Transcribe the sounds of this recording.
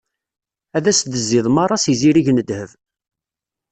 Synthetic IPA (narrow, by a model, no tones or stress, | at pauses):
æðæsd̪əzːɪðˤmɑɾˤɑsiziɾiʝnəd̪həv